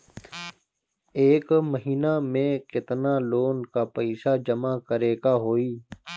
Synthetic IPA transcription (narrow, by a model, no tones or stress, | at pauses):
eːkməɦiːnamẽkɪt̪naːloːnkaːpəɪsaːd͡ʒəmaːkəɾeːkaːɦoːiː